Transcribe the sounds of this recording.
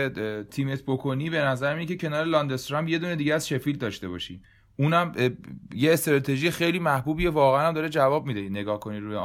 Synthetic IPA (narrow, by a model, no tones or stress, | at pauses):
et̪ʰiːme̞t̪ʰbokʰoniːbe̞næzæɾminecʰecʰe̞nɒːɾelɒːnd̪est̪ɾɑmbje̞d̪uːne̞d̪iːɟeæzʃe̞fiːld̪ɒːʃt̪e̞bɒːʃiː | ʔuːnæmje̞ːst̪ɾɒːt̪ʰe̞ʒijexe̞jliːmæhbuːbievɒːɣeænæmd̪ɒːɾed͡ʒævɒːb̚mid̪ene̞ɡɒːhkʰo̞niɾuːje